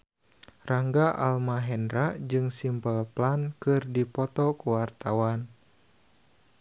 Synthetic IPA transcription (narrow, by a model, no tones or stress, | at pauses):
raŋɡaʔa̰lmaɦɛnɾaʔd͡ʒɨŋsimpəlplankɨrdipɔt̪ɔkuwart̪awan